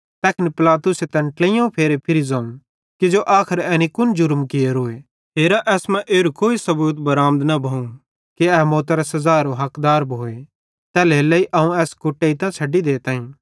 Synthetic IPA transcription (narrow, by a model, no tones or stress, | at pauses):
t̪ɛːkɪnipɪlaːt̪ʊset̪ɛ̃ɳʈleijõũpʰeːɾepʰɪɾizãːũ | kid͡ʒoʔaːkʰɪɾɛːnikʊnd͡ʒʊɾmkɪjeɾoːe | ɦeːɾaʔɛːsmɛ̃ʔeːɾukoːisɐbuːt̪bɐɾaːmd̪nɐbʱɐũ | kiɛːmoːt̪ɾasɐzaːɾoɦɐkd̪aːɾbʱoːe | t̪ɛːlelɐiʔɐũɛːskʊʈːeit̪ãt͡ʃʰɐɖid̪eːt̪ãːĩː